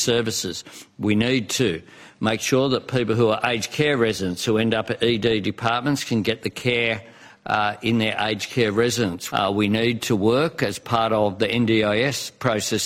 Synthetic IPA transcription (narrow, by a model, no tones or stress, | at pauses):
sɜ˞vɨsɨz̥winid̚tʰɨ | meɪkʃʊɹðət̚pʰipl̩ˠɦuə˞ʔeɪd͡ʒʒ̥kʰɛɹɹɛzɨɾɨ̃nshʉɛ̃ndʌpɨɾididɨpʰɑɹt̚mə̃ntskʰɨ̃nɡɛt̪̚ðɨkʰɛɹ | ɪ̃nðə˞ʔḛɪ̥d͡ʒʒ̥kʰɛɹɹɛzɨɾə̃nswinid̚tʰəwɜ˞kɨz̥pʰɑɹɾəvðiɛ̃ndiaɪɛspʰɹ̥oʊsɛs